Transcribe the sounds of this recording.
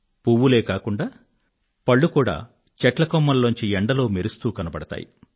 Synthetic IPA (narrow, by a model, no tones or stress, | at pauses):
puʋːuleːkaːkuɳɖaː | pɐɭːukuːɽa̰ː | t͡ʃɛʈlɐkomːɐlːoɲt͡ʃiɛɳɖɐlo̞ːmeɾust̪uːkɐnɐbɐɽɐt̪a̰ːjḭ